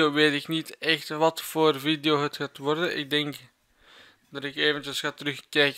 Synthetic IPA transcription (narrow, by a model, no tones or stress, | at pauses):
oʋeːtɪknitɛxtʋɑtfoːrvidejoːɦətxaːtʋɔrdənʔɪ̰ɡ̚dɛŋk | d̥ɑtɪkeːvəntjəsxaːtəɾɵxkɛjk